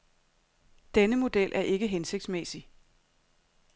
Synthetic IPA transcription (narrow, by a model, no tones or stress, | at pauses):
d̥enəmo̝d̥elʔæɐʔe̝ɡ̥əɦense̝ɡ̥̚d̥smesi